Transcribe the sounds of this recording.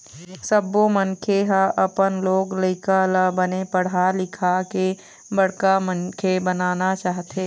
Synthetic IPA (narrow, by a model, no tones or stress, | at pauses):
səbːomənkʰeɦaʔəpənloːɡləɪkalabənepəɽ̤alɪkʰake | bəɽ̤kamənkʰebənaːnat͡ʃaːɦt̪eː